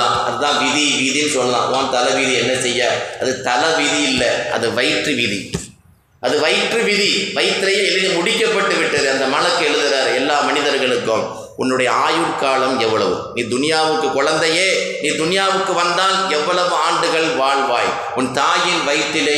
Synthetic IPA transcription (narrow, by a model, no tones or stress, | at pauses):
ãːɐ̰ðɯðãːʋɪðiʋɪðinɯsɔnːɯlã̰ːðãːnt̪ɐlɐʋɪðiɛnːɐsɛjːaːɐðɯt̪ɐlɐʋɪðiɪlːɐɐ̰ðɯʋɐɪʈrɯʋɪðḭ | ʔɐðɯʋɐɪʈrɯʋɪðiʋɐɪt̪ːɪɾɐjeːɛlːɪɣɐmʊɽɪkːɐpːɐʈːɯʋɪʈːɐðɯɐnd̪ɐmɐɳɐkːɯɛɻɯðɯɾaːɾɯɛlːaːmɐnɪðɐɾɣɐɭɯkːɯm | ʊnːɯɽɐjɐaːjɯɾkaːlɐmɛʋːɐɭɐʋɯ̰niːd̪ʊnɪjaːʋɯkːɯkɔɻɐnd̪ɐjeːniːd̪ʊnɪjaːʋɯkːɯʋɐnd̪aːlɛʋːɐɭɐʋɯaːɳɖɯɣɐɭʋaːɭʋaːj | ʊnt̪aːjɪnʋɐɪʈːɪle